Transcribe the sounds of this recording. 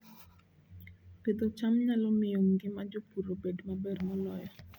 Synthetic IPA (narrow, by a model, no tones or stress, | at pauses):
ped̪ot͡ʃamɲalɔmɪjoŋɡɪmad͡ʒopuɾobedmabermɔlɔjɔ